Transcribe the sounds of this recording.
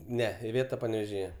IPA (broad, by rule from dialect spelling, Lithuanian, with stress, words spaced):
ˈnʲɛ ɪˈʋʲeːtɐ pɐnʲɛʋʲeːʒʲɪˈjɛ